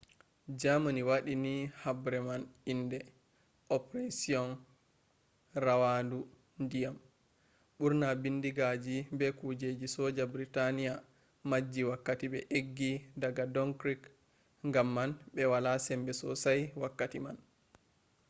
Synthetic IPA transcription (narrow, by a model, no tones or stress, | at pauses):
d͡ʒamaniwaɗinihabɾɛmanindɛ | ʔɔpɾasiɔn | rawadu | ndijam | ɓuɾnabindiɡad͡ʒibɛkud͡ʒed͡ʒisɔd͡ʒabɾitanija | mad͡ʒːiwakːatibɛʔeɡːidaɡadɔŋkɾik | ŋɡamːanɓɛwalasɛmbɛsɔ̰sajwakːatiman